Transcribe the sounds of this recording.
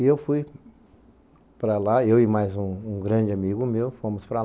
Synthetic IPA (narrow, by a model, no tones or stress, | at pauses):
ɪewfuj | pɾɐlaewɪmajzũũɡɾɐ̃d͡ʒɪamiɡʊmewfõmʊspɾɐ